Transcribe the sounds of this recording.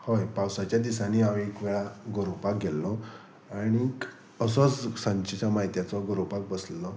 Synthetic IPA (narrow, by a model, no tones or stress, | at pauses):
hojpawsat͡ɕjad̪isaniaʋekʋeɭaɡoɾopak̚ɡʱelːɔ | aɽ̃ik | əsɔt͡ssãɲt͡ɕet͡ɕamaɦit̪jat͡sɔɡɔɾopak̚bəslːɔ